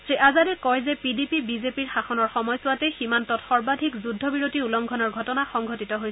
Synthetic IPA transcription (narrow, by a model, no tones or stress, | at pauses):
tɹiʔazadɛkɔjzɛpidipibizepiɹxaxɔnɔɹxɔmɔjsʊwatɛximantɔtxɔɹbadʱikzudʱɔbiɹotiulɔŋɡʱɔnɔɹɡʱɔtɔnaxɔŋɡʱɔtitɔɦoj